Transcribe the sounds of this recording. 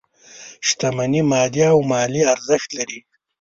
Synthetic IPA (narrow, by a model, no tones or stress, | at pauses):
ʃt̪amanimɑːd̪iaːwmɑːliaɾzɪxt̪laɾi